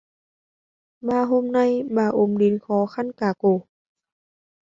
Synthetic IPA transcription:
baː˧˩ɦo˧˨mna˧˥˨jbaː˧˩ʔo˧˩mdi˨˦nkʰɔː˨˦xʰa˧˥˨nkaː˧˩koː˧˩

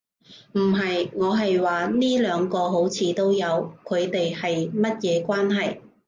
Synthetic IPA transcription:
m̩˨˩ɦɐ˨jŋɔː˨˧ɦɐ˨jwaː˨niː˥lœː˨˧ŋkɔː˧ɦo˨˥wt͡sʰiː˨˧t̪o˥wjɐ˨˧wkʰɵ˨˧ɥt̪e˨jhɐ˨jmɐ˥t̚jɛː˨˧kʷwaː˥nɦɐ˨j

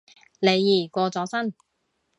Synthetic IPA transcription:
le˨˧jːiː˨˩kʷɔː˧t͡sɔː˨˥sɐ˥n

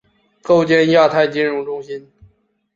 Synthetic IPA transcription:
ko˥˧ʊt͡ɕjɛ˥nja˥˧t̪ʰa˥˩ɪt͡ɕi˥nɻʊ˧˥ŋʈ͡ʂʊ˥ŋɕi˥n

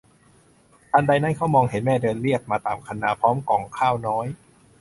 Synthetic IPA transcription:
t̪ʰaː˧nda˧jna˥˩nkʰa˦˥wmɔː˧ŋhe˩˦nmɛː˥˩dɤː˧nli˥˩ək̚maː˧t̪aː˨˩mkʰa˧nːaː˧˩pʰɔː˦˥mkɔː˨˩ŋkʰaː˥˩wnɔː˦˥j

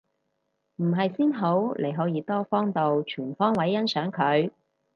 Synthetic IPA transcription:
m̩˨˩ɦɐ˨jsiː˥nɦo˨˥wlʔe˨˩jɦɔː˨˥jiː˨˧t̪ɔː˥fɔː˥ŋt̪o˨wt͡ʃʰyː˨˩nfɔː˥ŋwɐ˨˥jːɐ˥nsœː˨˥ŋkʰɵ˨˧ɥ

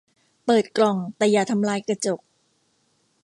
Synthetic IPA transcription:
pɤː˨˩t̪̚klɔ˨˩ŋt̪ɛaː˨˩jaː˨˩t̪ʰa˧˦mlaː˧˥jkɾa˧t͡ɕo˨˩k̚

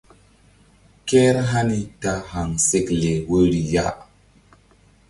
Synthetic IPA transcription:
kɛ˦ɾɦa˦ni˦ta˦ha˨ŋse˦kle˨wə˦ɾi˨ja̰˦

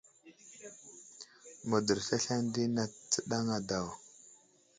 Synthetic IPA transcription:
mu˨də˨ɾfa˦ɬa˦ndi˦na˨t͡sə˦ɗa˦ŋa˨da˨w

